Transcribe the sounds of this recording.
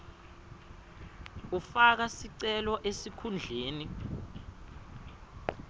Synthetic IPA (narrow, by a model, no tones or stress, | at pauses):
ufak̬asiǀɛlɔʔesikʰund͡ɮʱeːni